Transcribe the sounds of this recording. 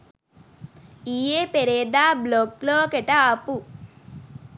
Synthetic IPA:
ijeːpeɾeːd̪aːblokloːkɛʈɐaːpu

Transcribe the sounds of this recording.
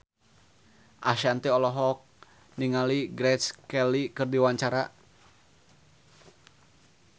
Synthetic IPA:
ʔaʃant̪iɔlɔɦɔk̚ | niŋaliɡɾɛt̪skɛlikɨrdiwaɲt͡ʃaɾa

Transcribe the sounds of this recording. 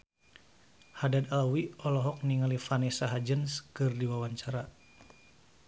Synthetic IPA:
hadad̪alwiɔlɔɦɔk̚niŋalifanɛsaɦad͡ʒənskɨrdiwawaɲt͡ʃaɾa

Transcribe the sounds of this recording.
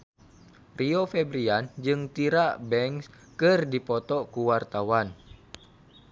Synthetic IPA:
riofɛbɾiand͡ʒɨŋt̪iɾabɛŋs | kɨrdipɔt̪ɔkuwart̪awan

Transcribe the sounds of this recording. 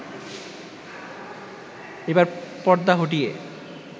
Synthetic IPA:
ebaɾpɔɽd̪aɦoʈ̬ije

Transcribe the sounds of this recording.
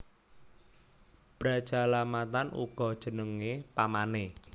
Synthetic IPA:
b̥ɾḁʒ̥a̤lamat̪anṵɡ̥ɔ̤d̥ʒ̥ə̤nəŋepamane

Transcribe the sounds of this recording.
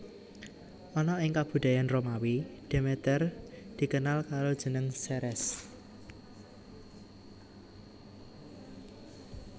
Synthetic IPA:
ʔɔnɔɪŋkab̥ṳd̪̥a̤janromawid̪̥e̤met̪ərd̪̥i̤kənalkaɾod̥ʒ̥ə̤nəŋsɛɾɛs

